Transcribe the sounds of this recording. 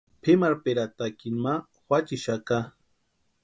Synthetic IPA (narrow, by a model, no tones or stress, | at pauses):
pʰemaɾpeɾat̪akinma | wʷat͡ʃiʃaka